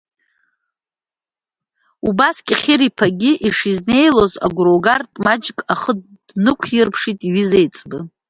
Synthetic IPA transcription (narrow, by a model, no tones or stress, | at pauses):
ubaskʲʼiχʲɪɾipʰaɡʲiʔiʂizne̞jlo̞za̰ɡʷɾoɡartʼmad͡ʒkʼaχə̥ | nɨkʷʰirpʰʂitʼiɥizejt͡sʼbɨ